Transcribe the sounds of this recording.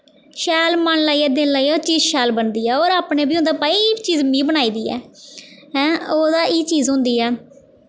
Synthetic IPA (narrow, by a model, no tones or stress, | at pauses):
ʃɛːlmənlaːiːɛːd̪ɪnlaːiːt͡ʃiːzʃɛːlbənd̪iːɛːoːɾaːpneːbiːʊ̃nd̪aːpaːit͡ʃiːzmĩːbənaːiːd̪iːɛ̰ːɦɛ̃ːoːd̪aːʔiːt͡ʃiːzɦʊ̃nd̪iːɛː